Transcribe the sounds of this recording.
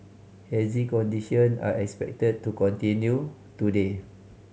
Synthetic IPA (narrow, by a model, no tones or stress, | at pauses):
hɛzikɔ̃ndiʃɔ̃na̰ʔɛkspɛ̰k̚təd̚tukɔ̃ntĩnju | tude